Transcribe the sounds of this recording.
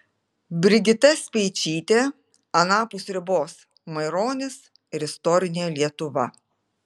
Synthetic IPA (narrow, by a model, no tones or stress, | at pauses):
bʲɾʲɪɡʲɪt̪ɐsʲpʲɛɪt͡ʃʲiːt̪ʲeː | ɐnɑːpʊsɾʲɪboːs | mɐɪɾoːnʲɪs | ɪɾɪst̪ɔːɾʲɪnʲeːlʲiɛt̪ʊʋɐ